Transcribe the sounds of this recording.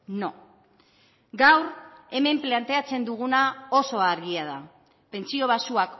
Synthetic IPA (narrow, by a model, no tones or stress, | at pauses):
no | ɡawɾe̞me̞mplant̪eat͡se̞nd̪uɣ̞unao̞so̞aɾɣiaða | pe̞nt͡sio̞β̞asuak